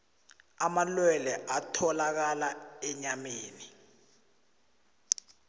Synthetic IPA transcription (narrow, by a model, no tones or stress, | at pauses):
amalwɛlɛʔatʰɔlak̬alaɛɲameːni